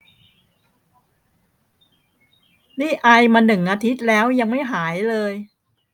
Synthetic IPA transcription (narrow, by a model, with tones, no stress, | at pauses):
niː˥˩ʔa˧jmaː˧nɯ˨˩ŋʔaː˧t̪ʰi˦˥t̪̚lɛː˦˥wja˧ŋma˥˩jɦaː˩˦jlɤː˧j